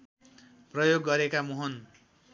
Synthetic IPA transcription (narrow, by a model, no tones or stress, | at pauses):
prʌjoɡːʌɾekamoɦʌn